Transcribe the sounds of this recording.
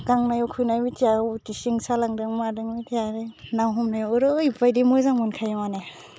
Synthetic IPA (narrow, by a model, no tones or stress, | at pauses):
ɡ̥aŋnajɔkʰujnajmitʰijatisiŋsalaŋdɯŋmadɯŋmitʰijaɾɯnawɦɔmnajɯɾɯjipajdimɔjzaŋmɔnkʰajmane